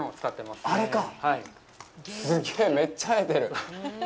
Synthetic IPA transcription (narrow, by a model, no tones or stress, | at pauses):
ot͡sɨ̥kat̪ːe̞masaɾe̞kahai | sɨɡe̞ːme̞t͡ɕːamet̪e̞ɾɯ̟